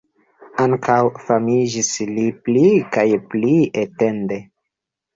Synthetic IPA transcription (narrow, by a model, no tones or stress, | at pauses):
aŋkawfamid͡ʒisliplikajpliete̞nde̞